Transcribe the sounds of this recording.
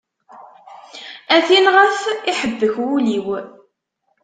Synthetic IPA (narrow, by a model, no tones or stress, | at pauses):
æθinʁəfiħəbːəçwuliw